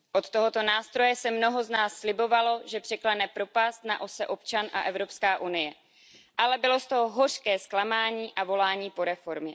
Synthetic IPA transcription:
ʔo̞t̪t̪ːo̞ɦo̞t̪o̞naːst̪ɾo̞jɛsɛmno̞ɦo̞znaːsːlɪbo̞valo̞ʒɛpr̝̥ɛklanɛpɾo̞past̪naʔo̞sɛʔo̞pt͡ʃanʔa̰ʔɛvɾo̞pskaːʔunɪjɛ | ʔalɛbɪlo̞st̪oɦoɦor̝kɛːsklamaːɲiːʔavo̞laːɲiːpo̞ɾɛfo̞ɾmɪ

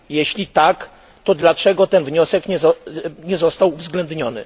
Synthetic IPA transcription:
jɛɕlʲit̪ak | t̪ɔd̪lat͡ʂɛɡɔt̪ɛnvɲɔsɛkɲɛɔɲɛzɔst̪awuvzɡlɛnd̪ɲɔnɘ̰

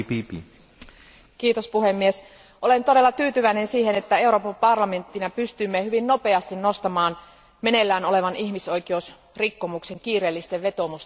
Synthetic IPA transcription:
pipḭ | kiːt̪ospuhemːies | ʔo̞lent̪o̞ɾe̞lːɑt̪yːt̪yʋæinensiːhenet̪ːæe̞uɾo̞ːpɑmpɑrlɑme̞nt̪ːinɑpyst̪ymːehyʋinno̞peɑst̪inno̞st̪ɑmɑːn | mene̞lːæːnole̞ʋɑnihmiso̞jkeeus | rikːo̞mukse̞ŋkiːɾeːlːist̪eʋʋe̞t̪o̞must̪

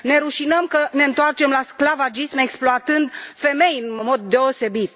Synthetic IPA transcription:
ne̞ɾuʃinəmkəne̞ɨnt̪oart͡ʃe̞mlasklavad͡ʒismeksploat̪ɨnd̪fe̞me̞jɨnmo̞d̪̚ːe̞o̞se̞bit̪

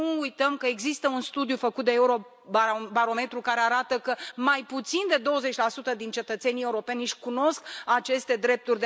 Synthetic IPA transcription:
uujt̪əmkəe̞ɡzist̪əunst̪ud̪jufəkut̪̚d̪eeuɾo̞ | bbaɾo̞me̞t̪ɾukaɾe̞aɾat̪əkəmajput̪sind̪e̞d̪o̞wəze̞t͡ʃʲlasut̪əd̪int͡ʃe̞t̪ət̪se̞nije̞uɾo̞pe̞nʃkuno̞skat͡ʃe̞st̪e̞d̪ɾe̞p̚t̪urʲd̪e

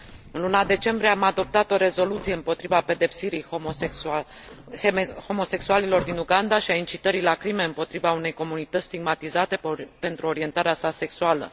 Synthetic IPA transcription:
ɨnlunad̪e̞t͡ʃe̞mbɾieamad̪o̞p̚t̪at̪o̞ɾe̞zo̞lut̪sije̞ɨmpo̞t̪ɾivape̞d̪e̞psiɾijoe | ho̞mo̞se̞ksualilo̞rd̪inuɡand̪aʃiaint͡ʃit̪əɾilakɾime̞ɨmpo̞t̪ɾivaune̞jko̞munit̪ət̪sʲsʲt̪iɡmat̪izat̪e̞pe̞nt̪ɾuo̞ɾie̞nt̪aɾeasase̞ksualə̰

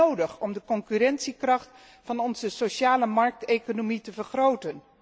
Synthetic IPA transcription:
owdəχɔmdəkɔŋkyrɛntsikrɑχt | fɑnɔnzəsoʃaːləmɑɹk̚tejkonomitəvərχrowtən

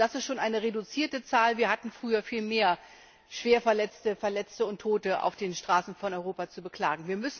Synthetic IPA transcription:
d̥asɪstʃoːnʔaɪnəʁedut͡siːɐtət͡saːlviːɐhatn̩fʁ̥yːɐfiːlmeːɐ | ʃv̥eːɐfɛɐlɛt͡stəfɛɐlɛt͡stəʊntʰːoːtəʔa̰ʊfd̥eːnʃtʁ̥aːsn̩fɔnʔɔʏʁoːpat͡subəkl̥aːɡŋ̩viːɐmʏsn̩

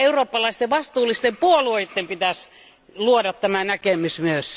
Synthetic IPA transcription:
euroːpːɑlɑist̪eʋɑst̪uːlːˑist̪empuoluoit̪ːempit̪æs | luodɑt̪tæmænækemysmyøs

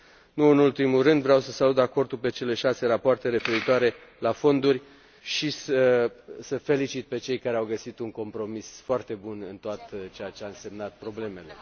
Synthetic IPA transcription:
nuɨnult̪imurɨnd̪vɾeawsəsalut̪dako̞rt̪ulpe̞t͡ʃe̞le̞ʃase̞ɾapoart̪e̞ɾe̞fe̞ɾit̪oaɾe̞lafo̞nd̪urʲ | ʃisəsəfe̞lit͡ʃit̪̚pe̞t͡ʃe̞jkaɾeawɡəsit̪uŋko̞mpɾo̞misfoart̪e̞bunɨnt̪oat̪t͡ʃejat͡ʃeanse̞mnat̪̚pɾo̞ble̞me̞le̞̰

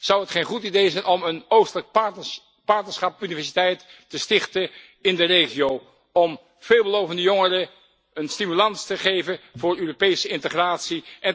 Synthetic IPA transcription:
z̥ɑwɦətχejnχutidejzɛjnʔɔmənowstələk̚ | pɑɹtnəɹsχɑpynivɛɹs̬itɛjtː | əstɪχtə | ɪndərejχiow | ɔm | v̥eːlˠbəlowvəndəjoŋərə | ənstimylɑnstəχejvənvʊːɹøːropejsəɪntəχraːtsiʔɛn

